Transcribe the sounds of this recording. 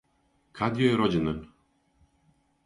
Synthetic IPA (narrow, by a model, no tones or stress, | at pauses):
kʰad̪jɔjɾɔd͡ʑinɘ